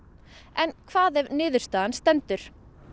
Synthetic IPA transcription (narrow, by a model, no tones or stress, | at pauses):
ɛnkʰvaːðɛvnɪːðʏɾ̥st̪aːðanst̪ɛnt̪ʏɾ̥